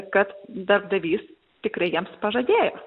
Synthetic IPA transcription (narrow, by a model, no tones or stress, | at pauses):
kɐt̪d̪ɐɾb̚d̪ɐʋʲiːs | t̪ʲɪkɾɐɪjiɛmspɐʒɐd̪ʲeːjoː